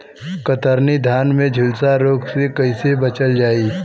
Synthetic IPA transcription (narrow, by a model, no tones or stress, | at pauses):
kət̪əɾnid̪ʱjaːnmẽd͡ʒʱʊlsaɾoːksekɐisebɐt͡ʃəld͡ʒaːiː